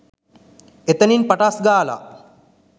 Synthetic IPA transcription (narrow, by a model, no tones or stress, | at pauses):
et̪əninpaʈasɡaːla̰